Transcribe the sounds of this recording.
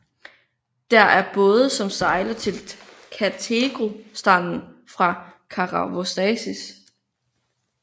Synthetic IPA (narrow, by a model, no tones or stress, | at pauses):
d̥æɐʔæɐb̥ɔːð̞ˠəsɒ̽msɑ̈ɪlɐt͡sʰe̝l | kʰæt͡sʰeɡ̥o̝sd̥ɑ̈n̰n̩fʁɑ̈kʰɑ̈ʁɑʋosd̥ɛsis